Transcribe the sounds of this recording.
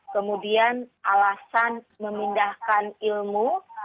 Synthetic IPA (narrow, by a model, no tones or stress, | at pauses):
kəmudianʔalasan | məmindahkanilmu